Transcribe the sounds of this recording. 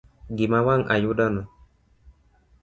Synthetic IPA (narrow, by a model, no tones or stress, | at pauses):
ɡɪmawaŋʔa̰judanɔ